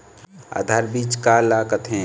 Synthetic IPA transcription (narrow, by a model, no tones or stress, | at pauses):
a̰ːd̪ʱaːɾbiːt͡ʃkaːlaːkət̪ɦẽː